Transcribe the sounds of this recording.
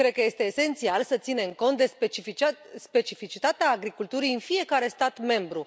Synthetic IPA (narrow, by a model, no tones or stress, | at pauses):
kɾed̪̚kəje̞st̪e̞ːse̞nt̪sialsət̪sine̞mko̞nt̪d̪e̞et͡ʃspe̞t͡ʃifit͡ʃit̪at̪eaːɡɾikult̪uɾijɨnfije̞kaɾe̞st̪at̪me̞mbɾu